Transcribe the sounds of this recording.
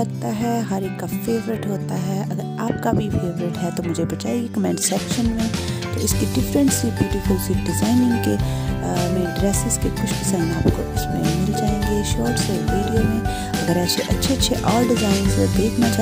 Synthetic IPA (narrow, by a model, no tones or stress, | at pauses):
ɐɡt̪aɦɛɦɐɾeːkːafeːʋɾɪʈɦoːt̪aɦɛɐɡəɾaːp̚kabʱifeːʋɾɪʈɦɛt̪omʊd͡ʒʱebɐt͡ʃaːiɡekɐmɛ̃ːɳɖsɛːpʃənmẽt̪oɪskiɖɪfɾə̃nsibjuːʈifʊlsiːʈ̚ɖɪzaːɪnɪ̃ŋɡke | mẽɖɾɛːsɪzkekʊt͡ʃʰpɪsaːɪ̃naːpko̰ɪsmḛ̃mɪld͡ʒaːɦẽːŋɡiʃɔːɾʈseʋeːɖijomẽ | ɐɡəɾaːpseʔɐtːʃʰeɐtːʃʰeʔɔːlɖɪzaːɪnzed̪eːkʰnat͡ʃaː